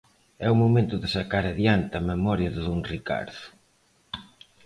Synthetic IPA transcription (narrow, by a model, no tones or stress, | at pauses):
ɛʊmomẽnt̪ʊðɪsakaɾaðjant̪ɪɐmemɔɾjɐðɪðoŋrika̰ɾðʊ